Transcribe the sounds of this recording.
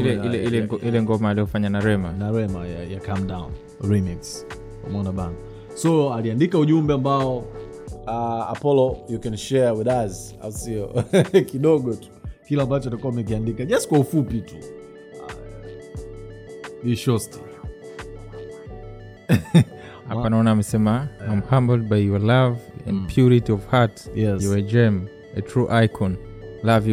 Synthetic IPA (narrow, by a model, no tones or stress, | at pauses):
ilɛilɛilɛɡɔʔilɛŋɡɔmaːlijɔfaɲanaɾɛmanaɾɛmajajakamdãṵn | ɹimiks | ka̰mɔnaɓaŋɡ | sɔaliandikauʄumbɛambaɔ | aa̰pɔlɔjukɛnʃɛɹwiðazia̰usiɔkiɗɔɠɔtu̥kilambat͡ʃɔtakuaumɛk̬iandikaʄastkwaufupitu | niʃɔsti̥ | haanaɔnamɛsɛmaajmhãmbl̩ˠd̚bajjɔlavɛ̰̃npʰjuɹitiɔv̥hatjɛsjɔɛd͡ʒɛm | ɛtʰɹuʔajkʰɔ̃nlavj